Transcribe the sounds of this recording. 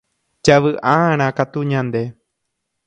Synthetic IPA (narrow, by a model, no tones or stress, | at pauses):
d͡ʒaʋɨʔaaɾ̃ãkat̪uɲãnd̪e̞